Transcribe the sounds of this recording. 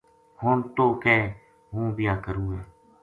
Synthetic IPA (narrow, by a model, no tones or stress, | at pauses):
hont̪oːkɛ̃ː | ɦũːbɪjaːkəɾũːeː